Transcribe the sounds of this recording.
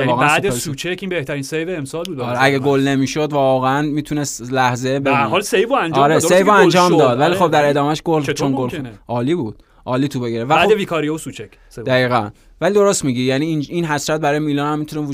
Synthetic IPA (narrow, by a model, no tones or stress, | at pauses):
ɒːɣnæsd̪esuːt͡ʃʰecinbeht̪ʰæɾinsejveːmsɒːlbud̪ɾeæɡeɡolnemiːʃod̪vɒːɣeænmiːt̪ʰunest̪læhze̞bæiɾhɒːlsejvoænd͡ʒɒɾessejvoænd͡ʒɒːmd̪ɒːd̪vælixo̞b̚d̪æɾe̞d̪ɒːmæʃɡolt͡ʃʰonɡolʔɒːliːbuːd̪̥ | ʔɒːliːt̪ʰuːbeɡeɾevææd̪eviːkʰɒːɾijeusut͡ʃʰekʰ | d̪æɣiːɣæn | vælid̪o̞ɾost̪miɡijæniininɦæsɾæt̪̚bæɾɒːjemiːlɒːnæmːit̪ʰunevu